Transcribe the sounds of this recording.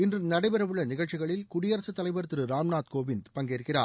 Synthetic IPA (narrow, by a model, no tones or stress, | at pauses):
ɪndrɯnɐɽɐɪbɛɾɐʋɯɭːɐnɪɣɐɭt͡ʃɪɣɐɭɪlkʊɽɪjɐɾɐsɯt̪ːɐlɐɪbɐɾɯt̪ːɯɾɯɾaːmnaːt̪koːʋɪnd̪pɐŋɡeːɾɯkːɪra̰ː